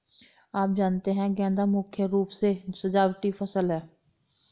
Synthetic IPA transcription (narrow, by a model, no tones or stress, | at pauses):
aːp̚d͡ʒaːnt̪eɦɛ̃ɡɛ̃ːnd̪amʊkʰjəɾuːpsesəd͡ʒaːwʈifʰɐsəlɦɛː